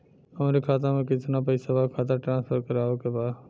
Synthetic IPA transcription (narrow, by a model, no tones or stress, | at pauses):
əm̃ːɾekʰaːt̪̬ãmẽkɪt̪ʰnãːp̬əisəʋaːkʰaːt̪̬aʈɾãːnspʰəɾkəɾaːʋokəbaː